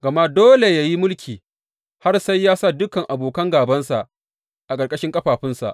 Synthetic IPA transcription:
ɡɐ˨ma˦doː˦le˨ja˨ji˦mʊ˦lkʲʰiː˨ | ha˦rsa˦jːaː˦sa˦˨dʊ˦kɐ˨ŋʔa˨boː˨kɐ˦ŋɡaː˨bɐ˦nsa˨ʔ | ʔa˨kʼɐ˨rkʼɐ˦ʃɪ˦ŋkʼɐ˦ɸaː˨ɸɪ˦nsa̰˨ʔ

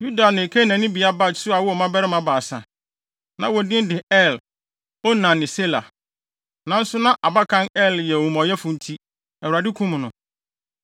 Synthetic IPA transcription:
ju˦da˨nɪ̃˨kʰe˦nã˨nɪ̃˦bi˨a˦ba˦˨sʊ˦a˨wɔ˦ɔ˨mã˦bɛ˦ɾɪ˦mã˦ba˨sa̰˨ | nã̰˨wɔ˨dɪ̃˦n˦dɪ˨ɛ˦˨l | ɔ˦nã˨nːɪ̃˨se˦la̰˨ | nã˨n̩˦sʊ˦nã˦ʔa˨ba˦kʰã˦nɛ˦ljɛ˨ɔ˨mɔ˨jɛ˦fʊ̃˨n̩˦tʰi˦ | ɛ˨wɾa˨dɪ˦kʰũ˦m˨nʊ̃˨

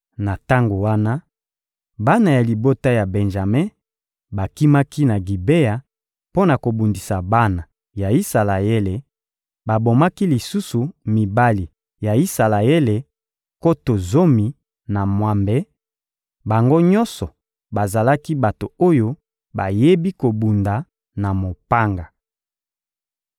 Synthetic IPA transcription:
na˨ta˦ŋɡo˨wa˦na˦ | ba˦na˨ja˨li˨bo˦ta˦ja˨be˨nʒa˨me˦ | ba˨ki˦ma˦ki˦na˨ɡi˨be˦ja˨ | po˦na˨ko˨bu˨ndi˨sa˨ba˦na˨ | ja˨i˦sa˨la˨e˦le˨ | ba˨bo˨ma˦ki˦li˨su˦su˨mi˨ba˦li˨ | ja˨i˦sa˨la˨e˦le˨ | ko˦to˨zo˦mi˨ | na˨mwa˨mbɛ˦ | ba˨ŋɡo˦ɲɔ˦nsɔ˨ | ba˨za˨la˦ki˦ba˨to˨o˦jo˦ | ba˨je˦bi˦ko˨bu˨nda˨ | na˨mo˨pa˦ŋɡa˨

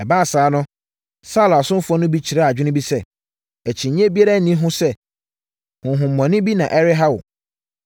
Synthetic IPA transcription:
ɛ˨baː˦˨saː˨˦nʊ̃˦ | sa˦la˨sʊ̃˦fʊ˦ɔ˦nʊ̃˦bi˦t͡ɕʰi˨ɾɛ˦a˨d͡ʑᶣɪ˦nɪ̃˦bi˦sɛ˦ | æ˨t͡ɕʰĩ˨ɲ˦ɛ̃˦bi˦a˦ɾa˦˨nĩ˦ɦʊ̃˦sɛ˦ | hʊ̃˨ɦʊ̃˨m̩ː˨ɔ̃˨nɪ̃˦bi˦nã˨ʔɛ˦ɾɪ˦ɦa˦wʊ̰˨

